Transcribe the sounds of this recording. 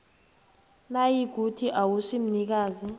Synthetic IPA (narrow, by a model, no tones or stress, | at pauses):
najiɡ̥ʱutʰiʔawusim̩nik̬aːzi